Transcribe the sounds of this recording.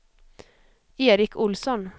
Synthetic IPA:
eːɾɪkʰʊlsɔn

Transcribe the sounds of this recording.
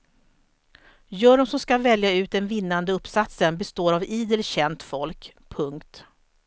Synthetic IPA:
jœːɾɔmsɔmskavɛljaʉ̟ːt̪̚d̪ɛnvɪnːand̪əɵpsat̪sənbɛst̪oːɾaviːd̪əlɕɛnt̪fɔlk | pʰːɵŋkt̪

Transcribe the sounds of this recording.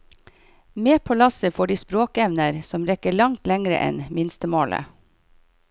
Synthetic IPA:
meːpʰoːlɑsəfoːɖiːspɾoːkɛʋnəɾsɔmɾɛkəɭɑŋt̪lɛŋɾə̰ʔɛ̰nmɪnst̪əmoːlʔə̰

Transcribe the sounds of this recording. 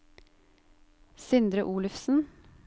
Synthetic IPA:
sʏnd̪ɾəʔuːlʉfsn̩

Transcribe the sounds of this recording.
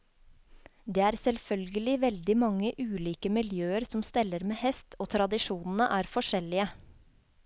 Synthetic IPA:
d̪eːæːɾsɛlfœlɡəlɪʋɛld̪ɪmɑŋːəʔʉːliːkəmɪljøːəɾsɔmst̪ɛlːəɾmeːhɛst̪ʰoːt̪ʰɾɑd̪ɪʃuːnn̩ə̰ʔæːɾfɔʂɛlɪə

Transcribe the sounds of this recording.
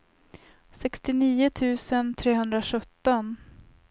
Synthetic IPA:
sɛkst̪ɪniːʊt̪ʰʉ̟ːsənt̪ʰɾeːɦɵnd̪ɾaɧɵt̪ːɔn

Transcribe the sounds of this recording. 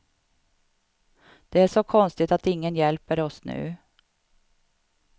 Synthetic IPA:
d̪̥ɛːæʂɔkʰɔnst̪ɪt̪ɑt̪ɪŋːənjɛlpəɾɔsnʉ̰ː

